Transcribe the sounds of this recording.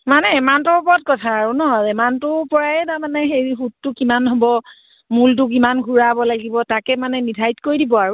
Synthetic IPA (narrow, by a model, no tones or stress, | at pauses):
manɛimantɔupɔɔt̚kɔtʰaːɹunɔzɛmantʊpɔɹaɛtamanɛxejiɦutːʊkimanɦobɔ | mult̬ʊk̬imanɡʱuɹabɔlaɡibɔtakɛmanɛnidʱajtkoɹjdibɔaɹʊ